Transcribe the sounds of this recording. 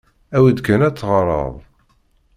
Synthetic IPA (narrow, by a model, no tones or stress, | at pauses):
æwid̪kænæt͡sːʁəɾˤə̰ðˤ